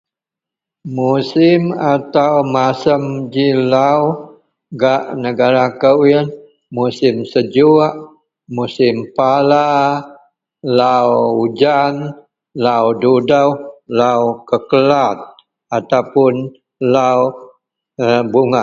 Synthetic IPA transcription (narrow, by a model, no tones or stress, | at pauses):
musɪmat̪awmasəmd͡ʒilaw | ɡaʔnəɡaɾakəwin | musɪmsəd͡ʒuaʔ | musɪmpala | lawd͡ʒan | lawdudəwlawkəkəlat̪̚ | at̪awpʊn | law | buŋa